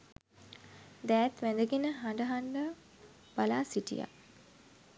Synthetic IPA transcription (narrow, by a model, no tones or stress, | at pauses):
d̪æːt̪ʋænd̪əɡenəɦaɳɖəɦanɖə | b̥alaːsiʈḭja̰